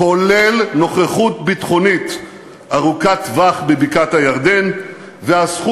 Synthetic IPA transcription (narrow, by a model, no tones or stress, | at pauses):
olelno̞χeχut̪̚bitχo̞nit̪ | aʁukatvaχbebikathajaʁd̪en | veasχu